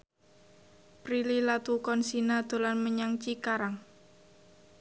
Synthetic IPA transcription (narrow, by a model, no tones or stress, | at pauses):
pɾililat̪ukɔnsinad̪̥o̤lanməɲaŋt͡ʃikaɾaŋ